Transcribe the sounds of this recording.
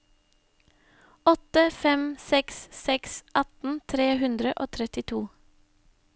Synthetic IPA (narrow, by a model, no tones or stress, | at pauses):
ɔt̪əfɛmsɛkssɛksʔɑt̪n̩t̪ʰɾeːhʉnd̪ɾəʔoːt̪ʰɾɛt̪ɪt̪ʰuː